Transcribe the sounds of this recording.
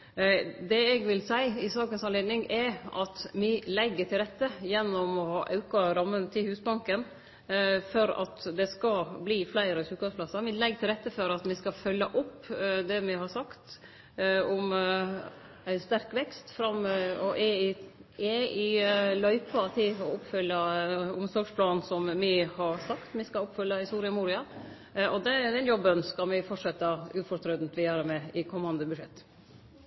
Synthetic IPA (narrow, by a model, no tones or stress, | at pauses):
d̪ɛɛɡʋɪlsæɪɪsɑːkənsɑnleːd̪nɪŋɛʔɑt̪mɪlɛɡːəʈʰɪlɾɛt̪ːəjɛnːɔmɔhɑ̰ːʔɑ̰ʉkɑɾɑmːənt̪ʰɪlhʉːsbɑŋkən | fɔɾɑ̰t̪d̪ɛskɑbliːflæɪɾəɕʉːkɑspʰlɑsəɾmɪlɛɡt̪ʰɪlɾɛt̪ːəfɔɾɑt̪mɪskɑfœlːəʔɔpː | d̪ɛmɪhɑɾsɑkt̪ | ɔm | æɪnst̪æɾkʋɛkst̪fɾɑmːɔʔɛɪɛɪlœʏpɑt̪ʰɪɔʊpːfʏlːɑʊmsɔɾɡʂpʰlɑːnn̩sɔmmɪhɑɾsɑkt̪mɪskɑʊpfœlːəhɪst̪uːɾɪɑmuːɾɪɑ | ɔd̪ɛd̪ɛnjɔbːənskɑmɪfɔʈʂɛt̪ːɑʉfɔɾt̪ʰɾœd̪n̩t̪ʋɪæɾæɾmɛɪkʰɔmːɑnd̪əbʉʂɛt̪ː